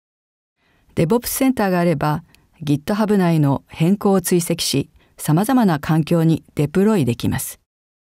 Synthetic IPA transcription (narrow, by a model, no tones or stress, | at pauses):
d̪e̞bo̞pːɯ̥sẽ̞nt̪aːɡaːɾe̞ba | ɡʲit̪ːo̞ɦabɯ̟naino̞hẽ̞ŋko̞ːt͡sɨise̞kʲi̥ɕi | samazamanakʰãŋkʲo̞ːɲ̟id̪̥e̞pɯ̟ɾo̞id̪e̞kʲimasɨ̥